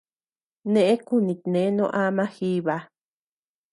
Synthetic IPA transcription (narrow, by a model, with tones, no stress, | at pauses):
nẽ˦˧ʔẽ˦ku˦˨nĩ˧t̪nẽ˨˦nõ˦ʔa˦mã˦xi˦βa˧˦